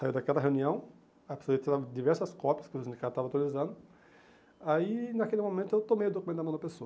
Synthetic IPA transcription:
saiwd̪akɛlɐɦeuniɐ̃w̃ | ape̥soet̪id̪avd̪ivɛɾsɐskɔpjɐskɪʊsĩd͡ʒ̪ikad̪ʊt̪avawt̪ualizɐ̃nd̪ʊ | ainakelɪmõmẽnt̪ʊewt̪omejʊd̪okumẽt̪d̪mɐ̃w̃d̪ɐpesoɐ

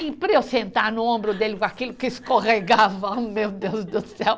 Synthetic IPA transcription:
ĩpɾeosẽnt̪aɾnʊõmbɾʊd̪elɪkakilʊkɪskoʁeɡavɐamewd̪ewzd̪ʊsɛw

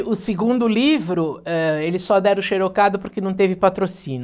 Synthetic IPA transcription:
ʊsɪɡũnd̪ʊlivɾʊɛelɪsɔd̪ɛɾʊʃeɾokad̪ʊpoɾkenɐ̃w̃t̪evɪpat̪ɾosĩnʊ

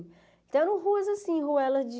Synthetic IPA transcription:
t̪ẽɾ̃ũɦuɐzasĩɦuɛlɐzd͡ʒi

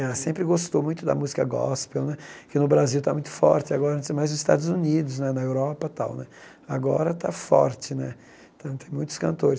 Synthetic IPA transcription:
ɛsẽmpɾɪɡost̪owmũj̃t̪ʊd̪ɐ̰muzikɐɡɔ̰spewnɛkɪnʊbɾaziwt̪amũj̃t̪ʊ̥fɔ̰ɾt͡ʃɪaɡɔɾɐɐ̃nt͡ʃ̪ɪzmajznʊzɪst̪a̰d̪ʊzunid̪ʊsnɛnɐewɾɔpɐt̪a̰wnɛ | aɡɔ̰ɾɐt̪a̰fɔ̰ɾt͡ʃɪnɛ | t̪ãt̪ẽj̃mũj̃t̪ʊ̥skɐ̃nt̪oɾɪs

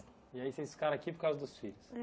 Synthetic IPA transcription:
iaisesfi̥kaɾ̃akipoɾkawzɐd̪ʊsfiʎʊs

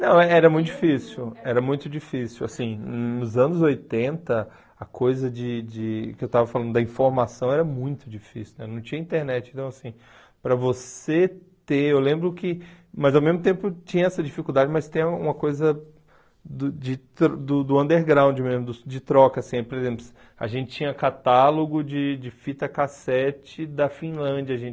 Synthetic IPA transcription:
nɐ̃w̃ɛɛɾɐmũt̪ʊd͡ʒifisiwɛɾɐmũj̃t̪ʊd͡ʒifisiwasĩnʊzɐ̃nʊzojt̪ẽnt̪ɐ | ɐkʰojzɐd͡ʒɪd͡ʒɪkɪewt̪avɐfalɐ̃d̪ʊd̪ɐĩfoɾmasɐ̃w̃ɛɾɐmũj̃t̪ʊd͡ʒifisiʊnɛnɐ̃w̃t͡ʃĩɲɐĩt̪eɾnɛt͡ʃɪ̃t̪ɐ̃w̃asĩ | pɾɐvose | t̪eewlẽmbɾʊkɪ | mɐzawmezmʊt̪̬ẽmpʊt͡ʃĩɲɐɛsɐd͡ʒifikud̪ad͡ʒɪmɐst̪ẽj̃ɐũmɐkojzɐ | d̪ʊd͡ʒɪt̪ɾd̪ʊd̪ʊɐ̃nd̪eɾɡɾãw̃d͡ʒɪmezmʊd̪ʊd͡ʒɪt̪ɾɔkɐsĩɛpoɾezẽmplʊ | a̰ʒẽnt͡ʃɪ̥t͡ʃĩɲɐkat̪aloɡʊd͡ʒɪd͡ʒɪfit̪ɐkasɛt͡ʃɪd̪ɐfĩlɐ̃d͡ʒɐaʒẽ

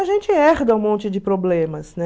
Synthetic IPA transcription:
ɐʒẽnt͡ʃɪɛɾd̪ɐũmõnt͡ʃɪd͡ʒɪpɾoblẽmɐsnɛ

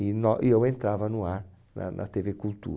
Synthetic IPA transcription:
inɔʔiewẽnt̪ɾavɐnuaɾ | nɐ̰nʔɐ̰t̪evekulˠt̪ṵ

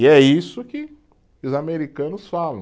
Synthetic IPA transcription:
ɪɛisʊkɪ | ʊzameɾikɐ̃nʊsfalɐ̰̃

